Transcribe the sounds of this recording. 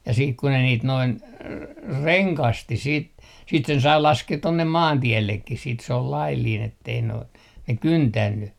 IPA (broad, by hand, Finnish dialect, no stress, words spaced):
jɑ siːk ku ne niːt noin reŋkɑsti siːt siːt sen sɑi lɑskeːt tonːem mɑːntielːekːis siːt s ol lɑilːin etːei noin ne kyntænːy